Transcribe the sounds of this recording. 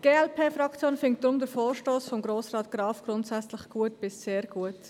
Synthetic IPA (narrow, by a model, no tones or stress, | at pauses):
ɡ̥eːɛlpʰeːfɾɑkt͡sjoːnfɪŋktd̥ɾʊmdəfoːɾʃtoːsfɔmɡɾoːsrɑːtɡ̥ɾɑːfɡ̥ɾʊntsɛt͡slɪxɡ̥uətb̥ɪsseːɾɡ̥uət